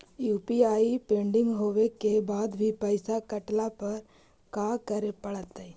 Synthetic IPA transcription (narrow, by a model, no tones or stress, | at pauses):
juːpiaːipẽːɳɖɪ̃ŋɡɦoːʋekebaːd̪bʱipəɪsakɐʈlapɐɾ | kaːkəɾepɐɽət̪e